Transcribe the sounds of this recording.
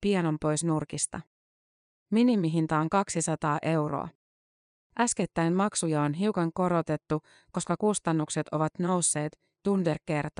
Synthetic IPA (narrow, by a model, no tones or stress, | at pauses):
piɑno̞mpo̞jsnurkist̪ɑ̰ | minimiɦint̪ɑoŋkɑksisɑt̪ɑːʔe̞wro̰ɑ̰ | ʔæske̞t̪ːæjnmɑksujɑonɦiukɑŋko̞ɾo̞t̪e̞t̪ːu | ko̞skɑkust̪ɑnːukse̞t̪o̞ʋɑt̪no̞wsːe̞ːt̪ | t̪underke̞rt̪ɑ